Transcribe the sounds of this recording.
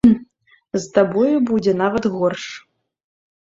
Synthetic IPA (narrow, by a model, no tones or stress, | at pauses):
zt̪abɔjubud͡zʲɛnavɐt̪ɣɔrʂ